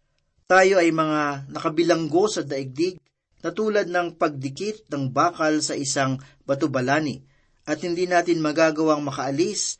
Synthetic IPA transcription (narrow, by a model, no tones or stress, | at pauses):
t̪aːjo̞ʔɐjmɐŋanɐkɐbɪlɐŋɡo̞sɐd̪ɐʔɪɡ̚d̪iɡ̚ | nɐt̪uːlɐd̪̚nɐŋpɐɡ̚d̪ɪkɪt̪̚nɐŋbaːkɐlsɐʔɪsaŋ | bɐt̪obɐlaːni | ʔɐt̪̚hɪnd̪iːnaːt̪ɪnmɐɡaːɡɐwaŋmɐkɐʔɐlis